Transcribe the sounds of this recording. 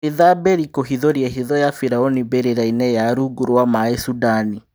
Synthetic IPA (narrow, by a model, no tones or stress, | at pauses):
eðabeɾikoɦiðoɾjɛɦiðɔjafiɾaonibeɾeɾainɛjaɾuɡuɾwamaesudani